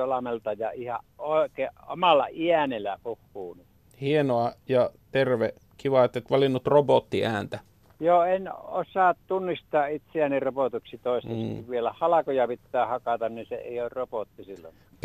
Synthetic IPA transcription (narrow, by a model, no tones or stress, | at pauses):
olɑmelt̪ɑjɑihɑ̰ʔoˑekeo̰mɑlːɑ̰iænelæpuhːuːnit̪ | hienoɑjɑt̪erʋe | kiʋɑet̪ːet̪ʋɑlinːut̪ropot̪ːiæːnt̪æ | joːeno̰sɑːˑtt̪unːist̪ɑːʔit̪seæniropot̪uksit̪oˑest̪eskuʋʋielæhɑlɑkojɑpit̪ːæːhɑkɑt̪ɑnninsḛḛˑioːrropot̪ːisilːo̰ŋɑ